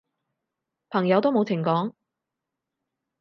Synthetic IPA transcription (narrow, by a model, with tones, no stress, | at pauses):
pʰɐ˨˩ŋjɐ˨˥wt̪o˥wmo˨˧wt͡sʰɪ˨˩ŋkɔː˨˥ŋ